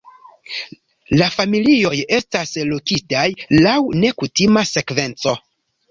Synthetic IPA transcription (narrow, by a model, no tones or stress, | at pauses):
lafamilio̞je̞staslokitajlawne̞kutimase̞kve̞nt͡so̞